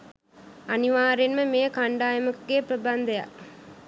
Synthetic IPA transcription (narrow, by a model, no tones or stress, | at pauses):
ɐniʋaːɾenməmejəkaɳɖaːjəmɐkɡeːpɾəband̪ɐja̰ʔ